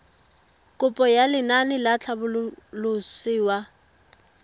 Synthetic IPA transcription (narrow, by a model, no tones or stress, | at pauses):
kʼʊpʼɔjalɪnanɪlat͡ɬʰabʊllʊsiːwa